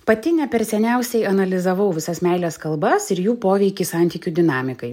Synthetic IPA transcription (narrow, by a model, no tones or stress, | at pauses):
pɐt̪ʲɪnʲɛpʲɛɾsʲɛnʲɛˑʊsʲɛɪɐnɐlʲɪzɐʋɐʊʋʲɪsɐsmʲɛɪlʲeːskɐlˠbɐsɪɾjuːpoːʋʲɛɪkʲisɑˑnʲt̪ʲiːkʲud̪ʲɪnɑːmʲɪkɐɪ